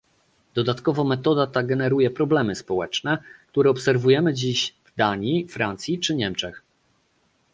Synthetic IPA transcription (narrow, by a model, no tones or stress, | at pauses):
d̪̥ɔd̪at̪kɔvɔmɛt̪ɔd̪at̪aɡɛnɛɾujɛpɾɔblɛmɘspɔwɛt͡ʂnɛk̚t̪uɾɛɔpsɛɾvujɛmɘd͡ʑiɕvd̪aɲifɾant̪sʲjit͡ʂɘɲɛmt͡ʂɛx